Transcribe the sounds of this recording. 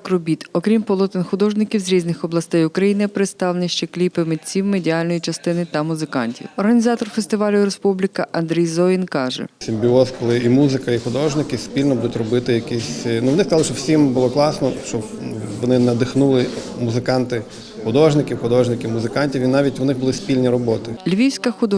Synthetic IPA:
kɾɔbʲit̪ɔkɾʲimpɔlˠɔt̪ɪnxʊd̪ɔʒnɪkʲiwzɾʲiznɪxɔblˠɐst̪ɛjʊkɾɐjinɪpɾɪt̪st̪ɑlʲˠnʲɐʃt͡ʃɛklʲipɪmetʲt͡sʲiwmedʲiɑlʲnɔjit͡ʃɐst̪ɪnɪt̪ɐmʊzɪkɑnʲtʲḭwɔrɦɐnʲizɑt̪ɔrfest̪ɪʋɑlʲʊɾespublʲikɐʔɐnd̪ɾʲijzɔjinkɑʒɛ̰sʲimʲbʲiɔskɔlˠɪimuzɪkɐixʊd̪ɔʒnɪkɪspʲilʲnɔbud̪ʊtʲrɔbɪt̪ɪjɐkisʲnuʋɔnɪxt̪ɑlˠɪʃt͡ʃɔwsʲimbʊlˠɔklˠɑsnɔʃt͡ʃɔb | ʋɔnɪnɐd̪ɪxnulˠɪmʊzɪkɑnt̪ɪ | xʊd̪ɔʒnɪkʲiwxʊd̪ɔʒnɪkʲiwmʊzɪkɑnʲtʲiwinɑʋʲitʲʊnɪɣbʊlˠɪspʲilʲnʲiɾɔbɔt̪ɪlʲʋʲiwsʲkɐxʊd̪ɔ

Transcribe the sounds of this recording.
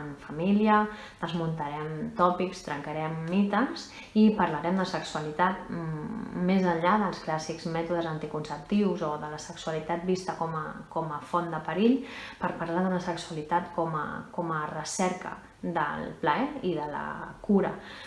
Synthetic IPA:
ɱfəmiliə | d̪əzmunt̪əɾɛmt̪ɔpikst̪ɾəŋkəɾɛmːit̪əz | ipəɾləɾɛmd̪əsəksuəlit̪at̪̚ | mezəɲʎːaðəlˠsklasikzmɛt̪uðəzant̪ikunsəp̚t̪iwzoðələsəksuəlit̪at̪̚bist̪əkɔmə̰kɔməfɔnd̪əpəɾiʎpəɾpaɾlaðunəsəksuəlit̪at̪kɔmə̰kɔmərəsɛɾkə̰ | d̪ə̰lˠplaɛiðələ̰kuɾə̰

